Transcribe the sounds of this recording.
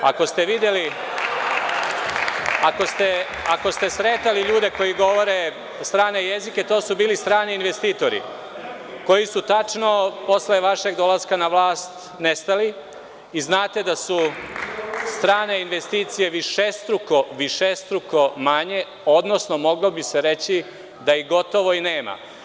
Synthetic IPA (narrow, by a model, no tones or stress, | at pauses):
a̰ko̞st̪e̞ʋid̪jeli | ako̞st̪e̞ | ako̞st̪e̞sɾet̪aliʎuːd̪e̞ko̞jiɡo̞ʋo̞ɾe | st̪ɾaːneje̞zike̞t̪oːsubiːlist̪ɾaːniiːnʋe̞st̪iːt̪o̞ɾḭ | ko̞jisut̪at͡ʃno̞po̞sle̞ʋaʃe̞ɡd̪o̞lˠaskanaʋlaːst̪ | nest̪ali | iznaːt̪e̞d̪asu | st̪ɾaːne̞inʋe̞st̪iːt̪sije̞ʋiʃest̪ɾuko̞ʋiʃest̪ɾuko̞maɲe̞ | o̞d̪no̞sno̞mo̞ɡlobiseɾe̞t͡ɕi | d̪aiɡo̞t̪o̞ʋo̞ineːma̰